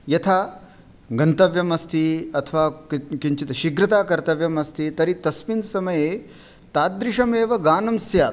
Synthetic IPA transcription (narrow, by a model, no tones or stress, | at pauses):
jɐt̪ʰaː | ɡɐnt̪ɐʋjɐmɐst̪ʰiɐt̪ʰɐʋaːkiɲt͡ʃit̪ɐʃiɡɾɐt̪aːkɐɾt̪ɐʋjɐmɐst̪ʰit̪ɐɾit̪ɐsmind̪sɐmɐjeː | t̪aːd̪ɾiʂɐmeːʋɐɡaːnɐmsjaː